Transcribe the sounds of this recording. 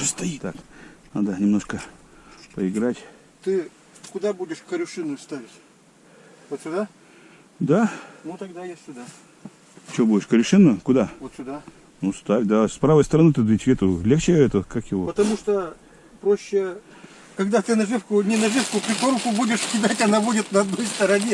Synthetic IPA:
st̪ɐit̪aknad̪ənʲɪmnoʂkə | pəɪɡɾatʲ | t̪ɨ | kʊd̪abudʲɪʂkəɾʲʊʂɨnʊjst̪avʲɪtʲ | vot̪sʲʊd̪a | d̪anut̪ɐɡ̚d̪ajesʲsʲʊd̪a | t͡ɕobudʲɪʂkəɾʲʊʂɨnːʊkʊd̪avot̪sʲʊd̪a | nust̪avʲd̪aspɾavəjst̪əɾɐnɨt̪ɨd̪ɨt̪ʲvʲet̪ʊlʲext͡ɕɪɛt̪əəkakjɪvopət̪ɐmuʂt̪o | pɾoɕːɪ | kɐɡd̪at̪ɨnɐʐɨfkʊnʲɪnɐʐɨfkʊpɾʲɪkoɾʊkʊbudʲɪʂkʲɪd̪atʲɐnabudʲɪt̪nɐɐd̪no̞jst̪əɾɐnʲe

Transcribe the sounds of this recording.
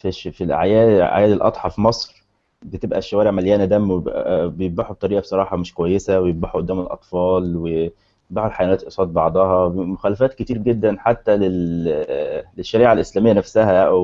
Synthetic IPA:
fifilʕa̰jæːʕa̰jæːlelʔɑ̰t̪ˤħɑfmɑsˤɾɾ | bet̪ebʔæ̰ʃːæwæːɾeʕmæljæːnæd̪æmeb̰bejebbaħub̚t̪ˤɑɾiːʔɑbsˤɑɾˤɑːħɑmeʃkowæjːesæwejebbaħuʔod̪ːæːmelʔɑ̰t̪ˤfɑːlwe | baħulħajæwænæːt̪ʔesˤɑːt̪̚bɑʕd̪ˤɑhɑmoxæːlæfæːt̪̚ket̪iːɾɡed̪ːænħat̪ːælel | leʃːæɾiːʕalʔeslæːmejːænæfsæhæʔw

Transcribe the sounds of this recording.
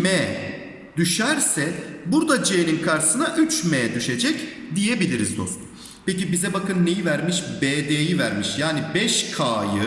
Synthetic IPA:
mɛː | d̪̥yʃæɾsɛbuɾd̪ad͡ʒeːninkʰaɾsɯnaʔyt͡ʃmeːd̪yʃe̞d͡ʒɛc | d̪ijebilʲiɾizd̪o̞̰st̪ʰun | pecibizɛbakɯnːe̞jivæɾmiʃbeːd̪eːjivæɾmiʃjaːnibɛʃkʰaːjɯ

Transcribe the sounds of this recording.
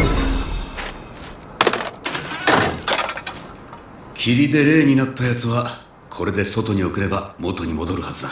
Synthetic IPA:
kʲʰiɾʲid̪e̞ɾe̞ːɲ̟inat̪ːajat͡sɨβa | kʰo̞ɾe̞d̪e̞so̞t̪o̞ɲ̟io̞kɯ̟ɾe̞bamo̞t̪o̞ɲ̟imo̞d̪o̞ɾɯ̟hazɨd̪a

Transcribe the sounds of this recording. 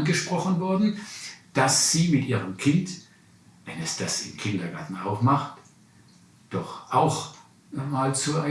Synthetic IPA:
nɡəʃpʁ̥ɔχənvɔɐdn̩d̥asz̥iːmɪtʔiːʁəmkʰɪnt | vɛnɛsd̥asɪ̰mkʰɪndɐɡaɐtn̩aʊfmaχt | d̥ɔχʔaʊx | maːlt͡sua

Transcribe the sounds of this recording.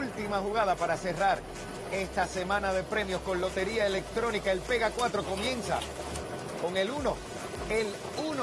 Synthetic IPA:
lt̪imahuɣað̞apaɾase̞raɾ | e̞st̪ase̞mãnaðe̞pɾe̞mjo̞sko̞nlo̞t̪e̞ɾiaele̞k̚t̪ɾo̞nikaelpe̞ɣakwat̪ɾo̞ko̞mjẽ̞nsa̰ | ko̞ŋe̞luno̞ | el | un

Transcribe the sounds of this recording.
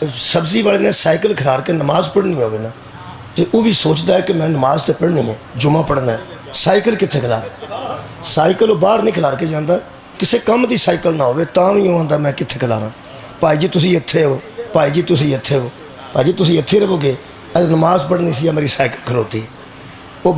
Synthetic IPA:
səbziːbaːleːnẽːsaːɪkəlkʰəlaːɽkeːnəmaːzpəɽnĩːɦoːʋeːnaː | t̪eːʔoːʋiːsoːt͡ʃd̪aːɛːkɪmɛ̃ːnəmaːzt̪eːpəɽnĩːɛ̃ːd͡ʒʊmãːpəɽnaːɛː | saːɪkəlkɪt̪ʰːeːkʰəla̰ːɾãː | saːɪkəloːbaːɾnĩːkʰəlaːɽkeːd͡ʒãːnd̪aː | kɪseːkəmd̪iːsaːɪkəlnãːɦoːʋeːt̪ãːʋĩːõːãːnd̪aːmɛ̃ːkɪt̪ʰːeːkʰəla̰ːɾãː | paːiːd͡ʒiːt̪ʊsĩːɪt̪ʰːeːɦoːpaːiːd͡ʒiːt̪ʊsĩːɪt̪ʰːeːɦoː | paːd͡ʒiːt̪ʊsĩːɪt̪ʰːeːɾəboːɡeː | əənəmaːzpəɽniːs̬iːaːmeːɾiːsaːɪkəlkʰəloːt̪iːɦɛː | oː

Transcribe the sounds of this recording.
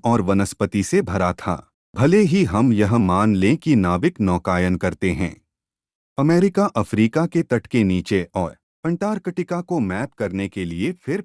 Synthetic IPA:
ɔːɾʋɐnəspət̪isebʱɐɾat̪ʰa̰ː | bʱɐleɦiɦɐmjɐɦmaːnlẽkinaːʋɪknɔːkaːjənkɐɾt̪eɦɛ̰̃ː | ɐmɛːɾɪkaʔɐfɾiːkaket̪ɐʈkeniːt͡ʃeʔɔːɾ | pɐ̃ɳʈaːɾkəʈɪkakomɛːpkɐɾnekeliefʰɪɾ

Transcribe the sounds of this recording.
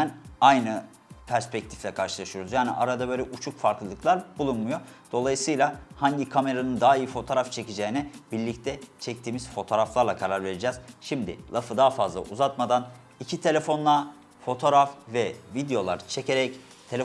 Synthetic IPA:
najnɯ | pʰæɾspɛc̚t̪ʰi̥flʲɛkʰaɾʃɯlˠaʃɯjoɾuzjaːnḭʔaɾad̪abøjlʲɛʔut͡ʃʰukfaɾklˠɯlˠɯkʰlˠaɾbulˠunmujo̞d̪̥o̞lˠajɯsɯjlˠahaɲɟikʰame̞ɾanɯnd̪aɦːijɯfo̞t̪ʰo̞ːɾaft͡ʃʰe̞cid͡ʒeinɛbiɾlʲic̚t̪ʰɛt͡ʃʰɛc̚t̪ʰiːmiz̥fo̞t̪ʰo̞ːɾaflˠaɾlˠakʰaɾaɾve̞ɾid͡ʒɛːz̥ʃimd̪ɪ̰lˠafɯd̪aːfazlˠa̰ʔuzat̪mad̪an | icʰit̪ʰe̞lʲe̞fo̞nlˠa | fo̞t̪ʰo̞ɾafvɛvid̪ejo̞lˠa̰ɾt͡ʃʰe̞cʰeɾɛc | t̪ʰe̞lʲ

